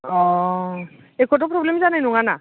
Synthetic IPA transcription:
ɔ | ekʰɔt̬ɔpɹɔblemzanajnuŋana

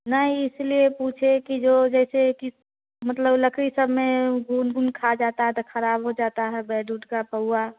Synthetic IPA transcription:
nəɦiɪsliepuːt͡ʃʰekid͡ʒod͡ʒɛːseki | mət̪ləbləkʰɾisəbmeɡunɡunkʰad͡ʒaːt̪aɦɛt̪ɔkʰəɾaːbɦod͡ʒaːt̪aɦɛbɛːɖuːʈkapəa

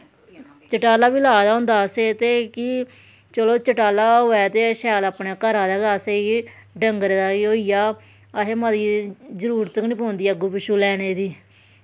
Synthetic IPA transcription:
t͡ʃəʈaːlaːbiːlaːd̪aːɦʊ̃ːnd̪aːseːt̪eːkɪ | t͡ʃəloːt͡ʃəʈaːlaːɦoːɛːt̪eːʃɛːlaːpnɛːkəɾaːd̪aːɡaːseːi | ɖəŋɡɾed̪aːoːijaː | əɦeːmad̪iːzəɾuːɾt̪əkniːpoːnd̪iːɛɡʊpɪʃuːlɛːneːd̪iː

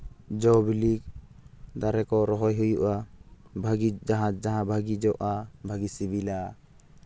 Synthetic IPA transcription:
d͡ʒɔbilik | d̪aɾɛkɔɾɔɦɔjɦujuʔa | bʱaɡid͡ʒaɦãd͡ʒaɦãbʱaɡid͡ʒɔʔabʱaɡisibila

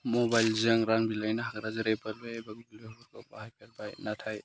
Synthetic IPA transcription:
mɔbajlzɯŋɾaŋbilajnaɦakɾazɯɾepʰɐlbebaɡiblebuɾkabahajpʰelbajnatʰaj

